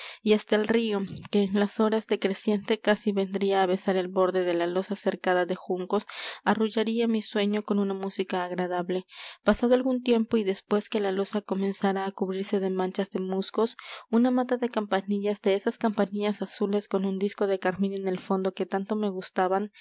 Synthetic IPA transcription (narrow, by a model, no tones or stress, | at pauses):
iast̪aelrio̞ke̞ːnlaso̞ɾazðe̞kɾe̞sje̞nt̪e̞kasiβe̞nd̪ɾiaːβe̞saɾe̞lβo̞ɾðe̞ðe̞lalo̞sase̞ɾkaðaðe̞xuŋko̞saruʝaɾiamiswe̞ɲo̞ko̞nunamusikaːɣɾað̞aβle̞pasaðoalɣunt̪je̞mpo̞iðe̞spwe̞ske̞lalo̞sako̞mẽ̞nsaɾaːkuβɾiɾse̞ðe̞mãnt͡ʃazðe̞musko̞sunamat̪aðe̞kampaniʝazd̪e̞esaskampaniʎasasule̞sko̞nund̪isko̞ðe̞kaɾminene̞lfo̞nd̪o̞ke̞t̪ant̪o̞me̞ɣust̪aβan